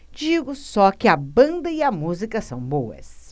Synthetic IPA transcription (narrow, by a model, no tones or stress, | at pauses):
d͡ʒiɡʊsɔkɪɐbɐ̃nd̪ɐiɐmuzikɐsɐ̃w̃bowɐ̰s